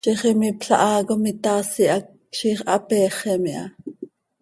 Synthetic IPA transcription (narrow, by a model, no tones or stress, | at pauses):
ʃiχɛmipɬɑʔɑːɣomit̪ɑːsiʔɑk̚ | ʃiːχʔɑpɛːχɛmiʔɑ̰